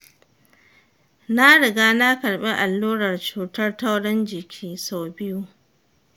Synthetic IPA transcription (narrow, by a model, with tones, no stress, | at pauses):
na˦ɽɪ˨ɡaː˦na˦kɐ˨ɽɓe˦ʔa˨lːuː˦ɽɐ˨rt͡ʃuː˨tɐ˦rta˦wɽɪ˦nd͡ʒɪ˨kʲʰiː˦sa˨bɪ˦ju˦